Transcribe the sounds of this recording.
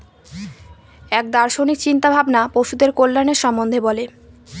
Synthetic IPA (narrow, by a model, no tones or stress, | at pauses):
ɛk̚d̪aɾʃonik̚t͡ɕint̪abʱabnapoʃud̪eɾkolːaneɾʃɔmːond̪ʱebɔle